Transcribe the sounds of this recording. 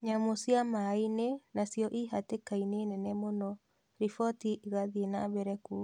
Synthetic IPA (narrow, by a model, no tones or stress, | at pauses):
ɲamosiamainenasjɔʔiɦatekainenɛnɛmonɔ | ɾifɔtiʔɣaðienaβɛɾɛku